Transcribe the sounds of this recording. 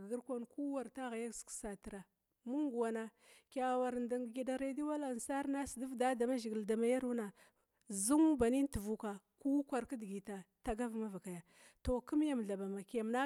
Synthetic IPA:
ɡə˦ɾkʷa˦nku˦wa˨ɾta˦ɣa˨ja˦sksa˨ti˨ɾa˨ | mu˦ŋɡu˨wa˨na˦ | kʲa˨wa˨ɾnda˨ŋɡɡi˨da˨ɾe˦di˦wa˦la˨n˨sa˦ɾna˦si˨di˦vda˦da˨ma˦ʒi˨ɡi˨lda˨ma˨ja˦ɾu˦na˨ | zu˦ŋu˦ba˨ni˦n˦tə˨vu˨ka˨ | ku˦kʷa˨ɾkə˦dɡi˨ta˨ta˨ɡa˦vma˦va˨ka˨ja˨ | to˨ku˦m˦ja˦m˨ɮa˨ba˨ma˨kja˨m˨na˦

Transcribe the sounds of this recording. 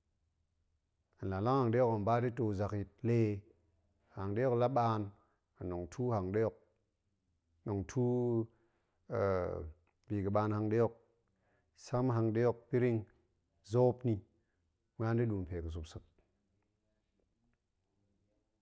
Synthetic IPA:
a˨nla˨la˦ŋha˨ŋde˦jo˦ka˨m˨ba˦di˦to˨za˨ki˨t̚le˦˨ | ha˨ŋde˦jo˦kla˦ɓaː˦n | a˨no˨ŋtʰu˦ha˨ŋde˦jo˦k̚ | no˨ŋtʰu˦˨ | bi˨kə˨ɓa˨nha˨ŋde˦jo˦k̚ | sa˦m˦ɦa˧ŋde˦jo˦k̚pi˦ɾi˦ŋ | zo˦pni˨ | mʷ˦a˦ndi˦lu˨n˨pe˨kə˨s̬u˨psɨ˨k̚

